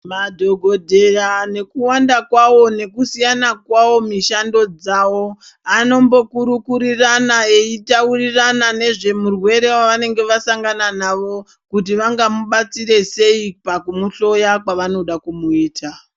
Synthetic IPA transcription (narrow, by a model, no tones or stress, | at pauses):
madʱo̞ɡʱo̞dʱe̞rane̞kuwandakwawo̞ne̞kusijanakwawo̞miʃando̞d͡zawo̞ | ano̞mbo̞kuɾukuɾiranae̞itauriranane̞ʐe̞murwe̞ɾe̞waʋane̞ŋɡe̞ʋasaŋɡananaʋo̞ | kut̬iʋaŋɡamuɓat͡siɾe̞se̞ipakumuɬo̞jakwaʋano̞ɗakumuiːtʰa